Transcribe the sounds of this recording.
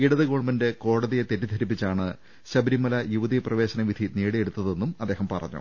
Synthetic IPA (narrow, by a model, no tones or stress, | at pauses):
iɽɐðɨɣo̞ːɳmɐnde̞ko̞ːɽɐðijet̪etːid̪ʱɐɾip̬ːit͡ɕːaːɳɨ | ɕɐbɐɾimːɐlɐjuʋɐðijprɐʋe̞ːɕɐnɐʋid̪ʱiniːɽie̞ɽut̪ːɐðe̞nːumɐd̪ːe̞ːɦɐmpɐrɐ̰ɲːṵ